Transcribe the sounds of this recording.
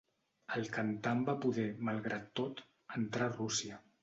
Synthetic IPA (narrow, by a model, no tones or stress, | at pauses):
əlˠkənt̪ambapuðɛməlˠɣɾat̪ːot̪ | ənt̪ɾarusiə